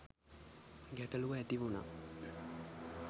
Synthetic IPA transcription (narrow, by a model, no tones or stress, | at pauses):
ɡæʈəluʋəæt̪iʋuna̰